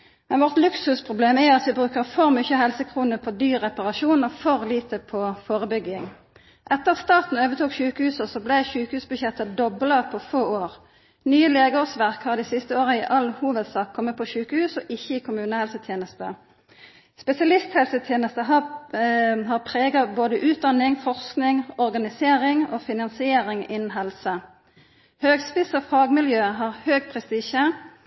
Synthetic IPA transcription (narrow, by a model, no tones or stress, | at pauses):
mɛnʋɔʁt̪lʉksʉspʰʁʊbleːmæɑt̪ʋɪbʁʉːkəʁfɔɾmʏçəɦɛlsəkʰʁuːnəpʰɔd̪yːʁːɛpɑʁɑʃuːnɔfɔʁliːt̪əpʰɔfoːʁəbʏɡɪŋ | ʔɛt̪ːəʁɑt̪st̪ɑːt̪n̩øːʋət̪ʰuːkɕʉːkəhʉːsəsɔblæɪçʉːkəhʉːsbʉʃjɛt̪ːəd̪ɔblɑpʰɔfoːoːʁ | nyːəleːɡʊʁsʋæʁkhɑd̪ɪsɪst̪əoːʁəɪʔɑlhuːʋəd̪sɑːkʰːɔmːət̪̚pʰɔʃʉːkəhʉːsɔʔɪçːəɪkʰʊmʉːnəhɛlsət̪ʰjeːnəst̪ə | spɛsɪɑlɪst̪hɛlsət̪ʰjeːnəst̪əɦɑ | hɑːʁpʰʁeːɡɑboːd̪əʔʉːt̪̚d̪ɑnːɪŋfɔʁsknɪŋɔʁɡɑnɪseːɾɪŋoːfɪnɑnsɪeːɾɪŋɪnːn̩ɦɛlsə | høːɡspɪsɔfɑːɡmɪljøːɦɑːʁhøːɡpʰʁɛst̪iːʃə